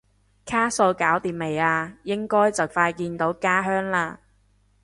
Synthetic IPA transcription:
kʰaː˥so˧wkaː˨˥wt̪iː˨˩m̚me˨˩jaː˧jɪ˥ŋkɔː˥jt͡sɐ˨wfaː˧jkiː˧nt̪o˨˥wkaː˥ɦœː˥ŋlaː˧

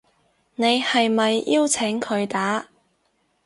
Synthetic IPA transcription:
ne˨˧jhɐ˨jmɐ˨jiː˥wt͡sʰɪ˨˥ŋkʰɵ˨˧ɥt̪aː˨˥

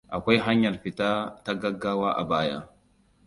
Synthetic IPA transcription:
a˨kʷa˦jɦa˦ɲːa˨lfi˨ta˦ta˦ɡa˦ɡːa˦wa˦ʔa̰˨baː˦ja̰˦

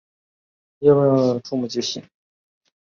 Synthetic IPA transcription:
jɛ˥˧wə˥˧n˧ʈ͡ʂʰu˥˧mu˨˩t͡ɕi˥˩ɕḭ˨˩˦ŋ

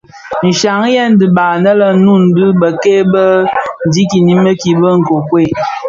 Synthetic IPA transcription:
n̩˨ʃa˨˦ŋ˦jɛ˦n˦dɨ˨ba˨nə˦lə˨nu˦˨n̩˦dɨ˦bə˨ke˦bə˦˨di˦ki˨ni˦mə˦ki˨bə˦ŋ̩˨ko˨kwe˦˨

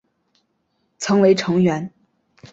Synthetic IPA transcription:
t͡sʰɤ˧˥ŋwe˧˥ɪʈ͡ʂʰɤ˧˥ŋɥɛ˧˥n

